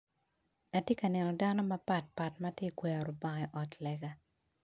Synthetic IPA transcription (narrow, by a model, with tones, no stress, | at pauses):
a˨tje˦ka˨nɛ˨nɔ˨da˦nɔ˦mɐ˦pa˨t̚pa˨tmatje˦kwɛa˨ɾʊ˨ba˨ŋai˨ʔɔ˨tlɛɡa˦